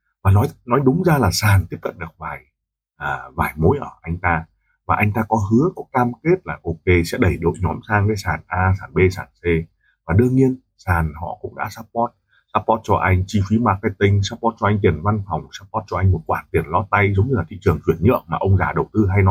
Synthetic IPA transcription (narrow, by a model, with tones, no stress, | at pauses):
vaː˨˩nɔ˨˦jnɔ˨˦jɗʊ˨˦ŋ͡mzaː˧laː˨˩saː˨˩nt̪i˦˥əp̚kə̰˧˨nɗɨ˨˩ək̚vaː˨˩j | ʔəː˨˩vaː˨˩jmo˨˦jʔəː˧˩ʔa˧jŋ̟t̪aː˧ | vaː˨˩ʔa˧jŋ̟t̪aː˧kɔ˨˦ɦɨ˨˦əkɔ˨˦kaː˧mke˦˥t̚laː˨˩ʔo˧ke˧sɛ̰˧˥ɗə˧˩jɗo̰˧˨jɲɔ˨˦msaː˧ŋkaː˨˦jsaː˨˩nʔaː˧saː˧˩nɓe˧saː˨˩nse˧ | vaː˨˩ɗɨ˧əŋɲi˧ən | saː˨˩nhɔ̰˧˨kʊ̰˧˥ŋ͡mɗa̰ː˧˥saː˦˥p̚pɔ˦˥t̚ | saː˦˥p̚pɔ˦˥t̚t͡ɕɔ˧ʔa˧jŋ̟t͡ɕi˧fi˨˦maː˨˩k̚t̪aː˧jt̪ï˧ŋ̟saː˦˥p̚ːɔ˦˥t̚t͡ɕɔ˧ʔa˧jŋ̟t̪i˨˩ənva˧nfa˨˩wŋ͡msaː˦˥p̚ːɔ˦˥t̚t͡ɕɔ˧a˧jŋ̟mo˨˩t̚kwaː˧˩t̪i˨˩ənlɔ˨˧˦t̪a˧jzə˨˦wŋ͡mɲɨ˧laː˨˩t̪ʰḭ˧˨t͡ɕɨ˨˩əŋzwənɲɨ̰˧˨əŋ̚maː˨˩ʔə˧wŋ͡mzaː˨˩ɗə˨˩wt̪ɨ˧ɦa˧jnɔ˨˦